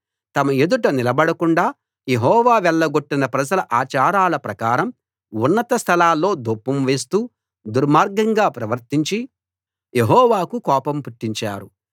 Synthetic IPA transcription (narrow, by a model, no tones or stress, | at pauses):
t̪ɐmɐed̪uʈɐnilɐbɐɽɐkuɳɖaː | je̞ɦɔːʋaːʋɛɭːɐɡo̞ʈːinɐpɾɐd͡ʒɐlɐʔaːt͡ʃaːɾaːlɐpɾɐkaːɾɐm | unːɐt̪ɐst̪ʰɐlaːlːo̞ːd̪opːɐmʋe̞ːs̬t̪uː | d̪uɾmaːɾɡɐŋɡaːpɾɐʋɐɾt̪iɲt͡ʃi | jeɦɔːʋaːkukɔːpɐmpuʈːiɲt͡ʃa̰ːɾu